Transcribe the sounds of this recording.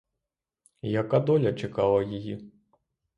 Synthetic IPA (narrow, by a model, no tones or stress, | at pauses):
jɐkad̪ɔlʲɐt͡ʂakalˠɐjiji